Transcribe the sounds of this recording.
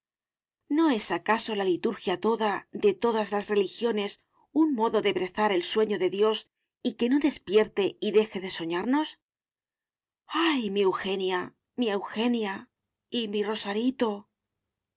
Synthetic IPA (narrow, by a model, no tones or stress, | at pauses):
no̞e̞sakaso̞lalit̪uɾxjat̪o̞ðaðe̞t̪o̞ðazlazre̞lixjo̞ne̞s | uŋmo̞ðo̞ðe̞βɾe̞θaɾe̞lswe̞ɲo̞ðe̞ðjo̞s | ike̞no̞ðe̞spje̞ɾt̪e̞iðe̞xe̞ðe̞so̞ɲaɾno̞s | ajmiewxe̞nja | miewxe̞nja | imiro̞saɾit̪o̞